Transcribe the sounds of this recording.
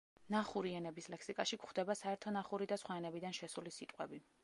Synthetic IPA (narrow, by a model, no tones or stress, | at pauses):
naχuɾiɛnɛbislɛkʰsikʼaʃikχd̪ɛbasaɛɾt̪ʰɔnaχuɾid̪asχwaɛnɛbid̪anʃɛsulisit̪ʼqʼwɛbi